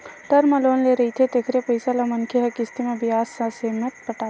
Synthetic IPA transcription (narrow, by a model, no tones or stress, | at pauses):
ʈɐɾməloːnleɾɐɦit̪ʰet̪eːkʰɾepəɪsalamɐnkʰeɦɐkɪst̪ʰimẽbɪjaːsːaseːmət̪̚pɐʈaː